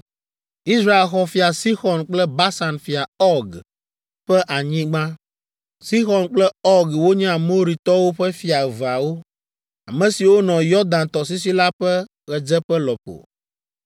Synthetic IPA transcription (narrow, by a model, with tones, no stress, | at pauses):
i˦sɾa˦e˨lxɔ˦fi˨a˨si˦xɔ˨nk͡plɛ˦ba˦sa˨nfi˨a˨ɔ˦ɡ | ɸɛ˦ʔa˨ɲĩ˦ɡ͡bã˦ | si˦xɔ˨nk͡plɛ˦ɔ˦ɡwo˦ɲɛ̃˦a˨mo˦ɾi˨t̪ɔ˦wo˦ɸɛ˦fi˨a˨va˨wo˦ | a˨mɛ̃˨si˨wo˦nɔ̃˨jɔ˦d̪ã˨nt̪ɔ˨s̬i˦s̬i˦la˦ɸɛ˦ | ɣɛ˨d͡ʒɛ˦ɸɛ˦lɔ˨ɸo̰˨